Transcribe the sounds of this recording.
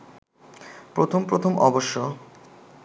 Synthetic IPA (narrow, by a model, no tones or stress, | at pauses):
pɾot̪ʰompɾot̪ʰomʔɔboʃːo